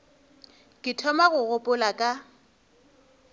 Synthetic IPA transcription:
kʼɪtʰɔmaɣʊɣʊpʼʊlakʼa

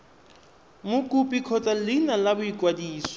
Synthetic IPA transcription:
mʊkʼupʼikʰɔt͡sʼalɪnalabʊikʼwadiːsɔ̥

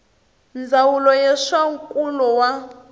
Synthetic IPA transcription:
nd͡zawulɔjɛʂaŋ̩kʼulɔwa

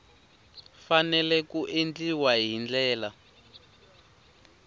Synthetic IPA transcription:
fanɛlɛkuʔend͡ɮiwaɦind͡ɮɛːla

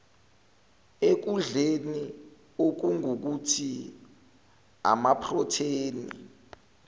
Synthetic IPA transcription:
ek̬uɮeni | ok̬uŋok̬utʰi | a̰mapʰrɔtʰeːnḭ

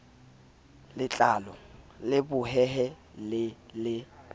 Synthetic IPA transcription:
lɪt͡ɬʼalɔ | lɪbʊɦɛɦɛ | lɪlɪ

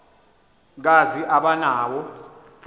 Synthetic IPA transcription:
k̬aziʔaɓanaːwɔ

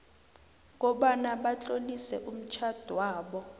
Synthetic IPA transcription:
ŋ̬ɔɓanaɓat͡ɬʼolisɛ̰ʔum̩t͡ʃʰad̥ʱwaːɓɔ

